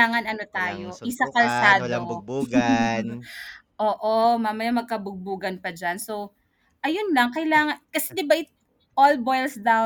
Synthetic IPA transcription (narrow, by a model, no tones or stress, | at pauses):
aːŋɐnɐno̞t̪aːjoʔɪsakɐlsaːd̪o | ʔoːʔomaːmɐjamɐɡ̚kɐbʊɡ̚buːɡɐnpɐd͡ʒanso̞ | ʔɐjonlɐŋkɐɪlaːŋɐnkɐsɛd̪ɪbaʔɪ | ʔolbojlsd̪aw